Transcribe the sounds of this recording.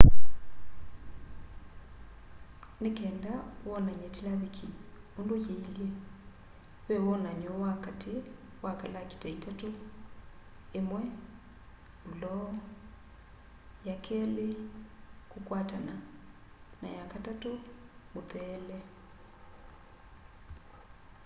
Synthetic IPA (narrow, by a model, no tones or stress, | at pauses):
nekɛndawɔnaɲɛtilaβikʰiondojeilje | βɛwɔnaɲɔwakate | wakalaki̥taitato | emwɛ | ulɔ | jakʰɛle | kukwatana | na̰jakatatomoθɛːlɛ